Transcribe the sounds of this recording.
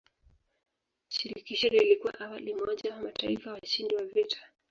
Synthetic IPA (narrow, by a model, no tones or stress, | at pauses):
ʃiɾikiʃɛɾɛilikuwa̰ʔawalimɔʄawamataifawaaʃindiwavitʰḁ